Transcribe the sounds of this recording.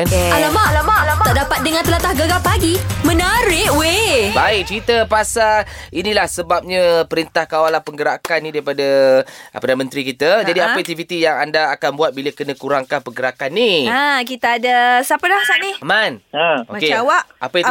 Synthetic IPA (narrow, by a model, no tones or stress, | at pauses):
alamalamalaaaʔdapat̪̚dəŋant̪əlat̪ahɡəɡapaɡimə̃nəɾɪʔwebaɪk̚t͡ʃəɾit̪əpasainilahsəbap̚ɲapəɾint̪ahkawalanpəŋɡəɾakanːidaipadapərdanəmənt̪ɾikit̪əd͡ʒadiapək̚t̪ivit̪ijaŋandaːkanbuat̪̚biləkənə̃kuɾaŋkanpəŋɡəɾakanːiak̬it̪aːdasapəlahsaʔnimanəomakeawaʔapa